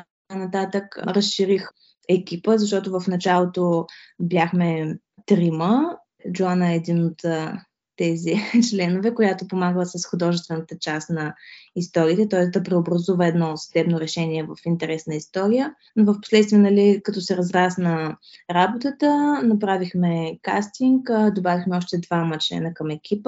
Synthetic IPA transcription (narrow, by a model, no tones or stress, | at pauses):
kanɐt̪at̪əkɾəsʃiɾix | ɛk̟ipəzɐʃ̬t̪ɔt̪ʊvəfnɐt͡ʃalˠot̪objʲaxmɛ | t̪ɾimə | d͡ʒoanəɛd̪inot̪ | t̪ːɛzit͡ʃlɛnovɛkojat̪opomaɡlˠəsəsxʊd̪ɔʒɛst̪vɛnət̪ət͡ʃasnɐist̪ɔɾiːt̪ɛt̪ɔɛsd̪ɐpɾɛobɾɐzuvəɛd̪nɔsɐd̪ɛbnoɾɛʃɛniɛvəfint̪ɛɾɛsnəist̪ɔɾijə | novəfpo̥slɛt̪st̪viənɐlikət̪ɔsɛɾɐzɾasnɐɾabot̪ət̪ənɐpɾavixmɛka̰st̪iŋkd̪obavixmɛɔʃt̪ɛd̪vamət͡ʃlɛ̰nəkɐmɛk̟ʰʲipə